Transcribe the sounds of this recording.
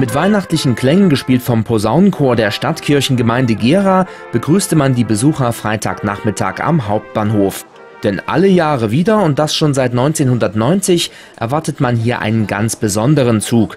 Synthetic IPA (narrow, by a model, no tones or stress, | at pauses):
mɪtv̥aɪnaχtlɪçn̩kʰl̥ɛŋənɡəʃpiːltfɔmpʰozaʊnkʰoːɐdeːɐʃtatkʰɪɐçn̩ɡəmaɪndəɡeːʁaː | b̥əɡʁyːstəmandiːbəzuːχɐfʁ̥aɪtʰa̰ːkna̰ːχmɪtʰa̰ːka̰mɦaʊp̚t̚b̥aːnhoːf | d̥ɛnʔa̰ləjaːʁəviːdɐʊnt̚d̥asʃoːnzaɪtnɔʏnt͡seːnhʊndɐtnɔʏnt͡sɪç | ʔɛ̰ɐvaɐtətmanɦiːɐʔa̰ɪnənɡa̰nt͡sb̥əzɔndəʁ̞ənt͡suːk